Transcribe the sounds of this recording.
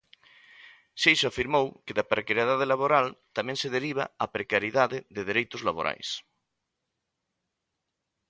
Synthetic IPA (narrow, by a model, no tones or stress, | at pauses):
ʃejʃoafiɾmowkɪðapɾekaɾjaðað̞elaβoɾalt̪amɛ̃ŋseðeɾiβ̞a̰apɾekaɾjiðaðɪðeðeɾejt̪ʊzlaβo̰ɾʔa̰js